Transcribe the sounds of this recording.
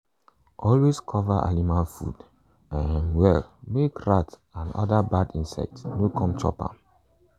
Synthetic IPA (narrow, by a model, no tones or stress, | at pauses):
ʔɔlweskʰɔvaʔa̰nimalfṵd | ãnwɛlmekɹat | ãnɔ̰dabadĩnsɛ̰k̚tsnokʰɔ̃mt͡ʃʰɔ̰pa̰